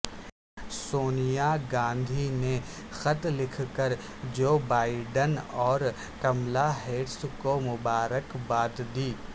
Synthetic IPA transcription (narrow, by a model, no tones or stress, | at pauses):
soːnijaɡãːnd̪ʱine | xɐt̪lɪkʰkəɾ | d͡ʒoːbaːɪɖənɔːɾ | kɐmlaɦeːʈskomʊbaːɾəkbaːt̪d̪iː